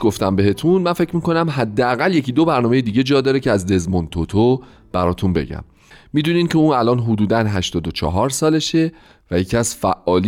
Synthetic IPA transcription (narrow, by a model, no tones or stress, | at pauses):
ɡo̞ft̪æmbe̞ɦe̞t̪ʰunmænfe̞cʰmiːko̞næmɦæd̪ːeæɣælje̞cʰiːd̪o̞bæɾnɒːme̞jed̪iːɟe̞d͡ʒɒːd̪ɒːɾecʰeæzd̪e̞zmont̪ʰot̪ʰo | b̥æɾɒːt̪ʰunbe̞̰ɟæ̰mː | miːd̪uːniːncʰeũːnælɒːnɦod̪uːd̪ænɦæʃt̪ɒːd̪ot͡ʃʰɒ̰ɦɒːɾsɒːle̞ʃe̞ | væjecʰæsfæʔːɒːl